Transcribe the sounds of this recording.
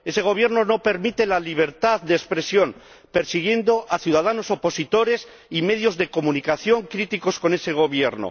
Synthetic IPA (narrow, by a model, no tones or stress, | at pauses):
e̞se̞ɣ̞o̞β̞je̞ɾno̞no̞pe̞ɾmit̪elaliβ̞e̞ɾt̪aðd̪espɾe̞sjo̞n | pe̞ɾsiɣ̞je̞nd̪o̞ʔaθjuðað̞ano̞so̞po̞sit̪o̞ɾe̞s | ime̞ð̞jo̞zðeko̞mũnikaθjo̞ŋkɾit̪iko̞sko̞ne̞se̞ɣ̞o̞βje̞ɾno̰